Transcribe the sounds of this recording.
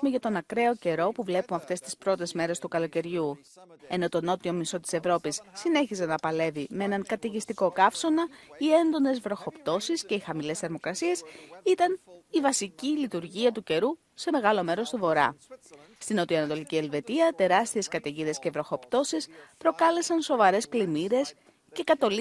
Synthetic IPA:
meʝɐt̪o̞nɐkɾe̞o̞ce̞ɾo̞puvle̞pumɐft̪e̞st̪i̥spɾo̞t̪e̞zme̞ɾe̞st̪ukɐlo̞ce̞ɾʝu | e̞no̞t̪o̞no̞t̪io̞miso̞t̪i̥se̞vɾo̞pisːine̞çizenɐpɐle̞vimee̞nɐŋkɐt̪eʝist̪iko̞kɐfso̞nɐie̞nd̪o̞ne̞zvɾo̞xo̞pt̪o̞sisce̞ixɐmile̞sθeɾmokɾɐsie̞sit̪ɐnivɐsicilit̪uɾʝiɐt̪uce̞ɾu | se̞me̞ɣɐlo̞me̞ɾo̞st̪uvo̞ɾɐ̰ | st̪ino̞t̪ioɐnɐt̪o̞licie̞lve̞t̪iɐt̪e̞ɾɐst̪ie̞skɐt̪eʝiðe̞sce̞vɾo̞xo̞pt̪o̞sispɾo̞kɐle̞sɐnso̞vɐɾe̞sklimiɾe̞s | ce̞kɐt̪o̞l

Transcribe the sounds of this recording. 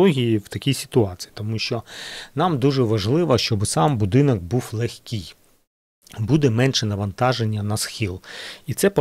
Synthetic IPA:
ɔɦʲijiwt̪ɐkʲijsʲɪ̥t̪ʊɑt͡sʲi̥ji̥t̪ɔmuʃt͡ʃɔnɑmd̪uʒɛʋɐʒlˠɪʋɐʃt͡ʃɔbɪsɑmbʊd̪ɪnɐk̚buwlˠexʲkʲij | bud̪ɛmɛnʃɛnɐʋɐnt̪ɑʒenʲːɐnɐsxʲilˠit̪sɛp

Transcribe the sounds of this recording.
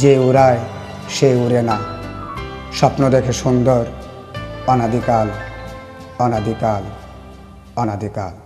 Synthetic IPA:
d͡ʑeuɾae | ʃeuɾena | ʃɔpnod̪ekʰeʃund̪oɾ | ɔnad̪ikal | ɔnad̪ikal | ɔnad̪ikal

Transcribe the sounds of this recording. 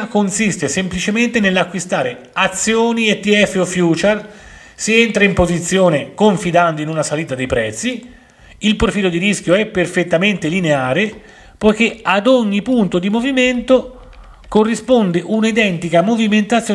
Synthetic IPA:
konsist̪esemplit͡ʃement̪enelːakːwist̪aːɾe | at̪sːjoːniet̪ːiɛfːeofːjuːt͡ʃɛr | sient̪ɾaimpozit̪sːjoːnekoɱfid̪and̪oinunasaliːt̪ad̪ejpɾɛt̪sːi | ilpɾofiːlod̪iɾiskʲjoɛpːerfet̪ːament̪elineaːɾe | pojk̟ead̪oɲːipunt̪od̪imoviment̪o | korːispond̪eʔunaid̪ɛnt̪ikamoviment̪at̪sːjo

